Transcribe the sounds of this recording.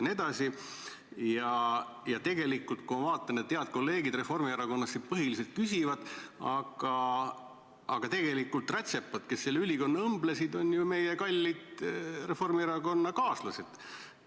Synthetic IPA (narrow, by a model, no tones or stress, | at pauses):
ne̞d̪̥ɑsi | jɑjɑt̪e̞ɡe̞likːˑult̪̚kovɑːt̪ˑːɑnet̪t̪ːeɑt̪̚ko̞lːe̞ːɡid̪re̞fo̞rmieɾɑko̞nːɑsːit̪̚pɤɦilise̞lt̪̚kysʲivɑd̪̥ɑɡ̥ɑ | ɑɡ̥ɑt̪e̞ɡ̥e̞likːˑult̪ˑræt̪ʲse̞pːɑt̪ke̞sːelːeylʲiko̞nːɑɤmblesid̪o̞njume̞jekɑlʲːid̪̥re̞fo̞rmieɾɑɡo̞nːɑkɑːslused̪̥